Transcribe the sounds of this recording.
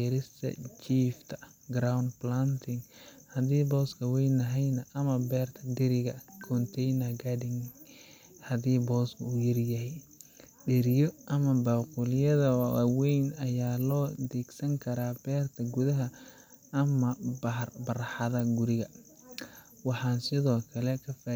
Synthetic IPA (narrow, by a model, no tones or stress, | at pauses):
iːɾɪst̪ʰɐ̰t͡ʃiːft̪ʰɐ | ɡɾawnd̪plant̪ʰɪŋhɐðiːbɔːskʰɐwɛjnɐɦɛjnɐʔɐmɐbɛːrt̪ʰɐd̪ɪɾɪɣɐkʰɔnt̪ʰɛjnɐɡadɪŋ | hɐðiːbɔːskʰɐuːjɐrjɐɦɛjɖɛɾɪjɔʔɐmɐbaːqulɪjɐðɐw̰wɛjnɐjaːlɔːd̪ɛɡsɐŋkʰɐɾaːbɛːrt̪ʰɐɡʊðɐɦɐ | ɐmɐbɐrbɐɾħɑðɐɡʊɾɪɣɐ | wɑħɑːnsɪðɔːkʰɐlɛkʰɐfa